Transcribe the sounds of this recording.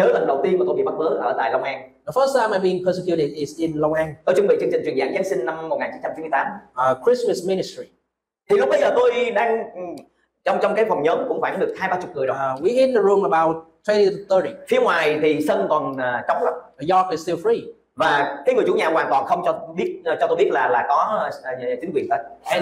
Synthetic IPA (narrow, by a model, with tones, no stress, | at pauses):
ɲəː˨˦lə˨˩nɗə˨˩wt̪i˧ənmaː˨˩t̪o˧ɓḭ˧˨ɓa˦˥ɓəː˨˦ʔəː˧˩t̪a̰ː˧˨jlə˧wŋ͡mʔaː˧nðə˨fə˦˥st̪ʰã˧ma˧bi˧ŋpʰə˧s̬ə˧kju˧ɾɪ˨dɪ˨zɪ̃˨nlə˧wŋ͡mʔaː˧nt̪o˧jt͡ɕɨ˧˦ŋ͡mɓḭ˧˨t͡ɕɨ˧ŋt͡ɕï˨˩ŋt͡ɕwənza̰ː˧˩ŋzaː˨˦˥ŋsï˧ŋna˧mmo˨˩t̚ŋaː˨˩ɲt͡ɕi˨˦nt͡ɕa˧t͡ɕi˦nm˧əjt̪aː˨˦mə˨kʰɹi˦˥sməsmi˧nɪstɹi˨ | t̪ʰi˨˩lɓə˧jzəː˨˩t̪o˧jɗaː˧ŋ | t͡ɕɔ˧wŋ͡mt͡ɕɔ˧wŋ͡mkaː˨˦jfɔ˨˩wŋ͡mɲəː˨˦nkʊ̰˧˥ŋ͡mfaː˧˩ŋɗɨ˨˩ək̚haː˧jɓaː˧t͡ɕʊ˨˩k͡p̚ŋɨ˨˩jwi˨hi˧˥n̚də˨ɹu˧mə˨ɓa˧wt̚tʰːɛ˧˦ni˧tθə˧ɾi˨fi˨˦əŋwaː˨˩jt̪ʰi˨˩sə˧nkɔ˨˩nː˨˩t͡ɕɔ˨˦ŋ͡mlə˨˦ŋ͡məjɔ˧kɪ˨sti˧lfɹi˧ | vaː˨˩kaː˨˦jŋɨ˨˩ə˩t͡ɕu˧˦ɲaː˨˩kwaː˨˩nt̪wɔ̰ː˨˩nxə˧wŋ͡mt͡ɕɔ˧ɓi˦˥ət̚t͡ɕɔ˧t̪o˧jɓi˦˥t̚laː˨˩laː˨˩kɔ˨˦˨t͡ɕï˨˦ŋkwi˨˩ənt̪a̰ː˧˨˩